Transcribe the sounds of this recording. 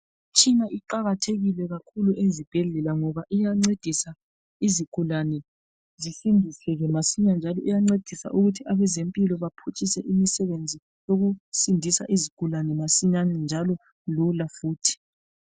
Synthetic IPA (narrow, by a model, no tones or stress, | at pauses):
t͡ʃʰʼinaʔiǃaɣatʰeɣilɛɣakʰuluʔezib̥ʱɛɮɛlaŋɔβaʔijaŋ͡ǀed̥ʱisa | izikʰulanɛ | zisindʱisɛɣɛmasiɲand͡ʒʱalɔijaŋ͡ǀed̥ʱisa̰ʔuɣutʰiaβɛzempʼilɔβapʰut͡ʃʼisɛʔimisɛβend͡zʱi | joɣusindʱisa̰ʔizikʰulanɛmasiɲanɛnd͡ʒʱalɔ | lulafuːtʰi̥